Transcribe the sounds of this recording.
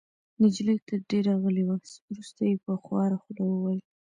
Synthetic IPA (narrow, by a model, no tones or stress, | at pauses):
nɪd͡ʒlit̪əɾɖeɾɑɣəliwasɾust̪ajepəxwɑɾaxulawəwɑjl